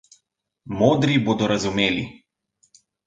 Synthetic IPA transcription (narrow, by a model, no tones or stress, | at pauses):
moːd̪ɾiboːd̪ɔɾazumeːli